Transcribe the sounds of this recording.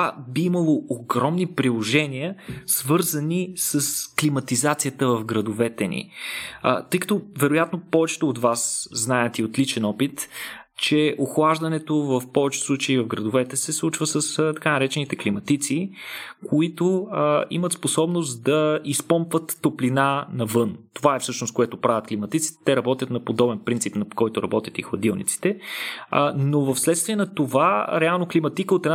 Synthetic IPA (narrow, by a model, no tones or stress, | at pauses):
t̪vabiimɐlˠooɡɾɔmnipɾilˠoʒɛniəsvɤɾzənisəsklimɐt̪izat̪sijət̪əvɐfɡɾɐd̪ovɛt̪ɛnḭ | t̪ɤjkɐ̥t̪ɔvɛɾojat̪nopɔvɛt͡ʃɛ̥t̪oːt̪vasznaɛt̪iot̪lit͡ʃɛnɔpit̪ | t͡ʃɛʔoxlˠaʒd̪ɐnɛt̪ovɐfpɔvɛt͡ʃɛ̥slˠut͡ʃəivɐvɡɾəd̪ʊvɛt̪ɛsɛslˠut͡ʃvəsəst̪ɐ̥kanɐɾɛt͡ʃɛnit̪ɛklimɐt̪it̪sikʰoit̪oimət̪sposɔbnost̪d̪ɐispɔmpvət̪ːoplinanɐvɤnt̪ovaɛfsɤʃnoskoɛt̪opɾavʲət̪̚klimɐt̪it̪si̥t̪ɛ̥t̪ɛɾɐbɔt̪jət̪nɐpod̪ɔbɛnpɾintsipnɐkɔjt̪ʊɾɐbɔt̪ʲjət̪ixlˠɐd̪ilˠnʲḭt̪si̥t̪ɛ | novɐfslɛt̪st̪viɛnɐt̪ovaɾɛalˠnoklimɐt̪ikəot̪ɛn